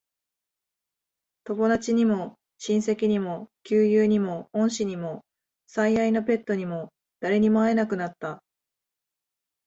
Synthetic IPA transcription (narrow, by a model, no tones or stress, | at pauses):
t̪o̞mo̞d̪at͡ɕiɲ̟imo̞ | ɕĩɰ̃se̞kʲiɲ̟imo̞kʲɨːjɯːɲ̟imo̞õ̞ɰ̃ɕiɲ̟imo̞ | saiaino̞p̬e̞t̪ːo̞ɲ̟imo̞ | d̪̥aɾe̞ɲ̟imoae̞nakɯ̟nat̪ːa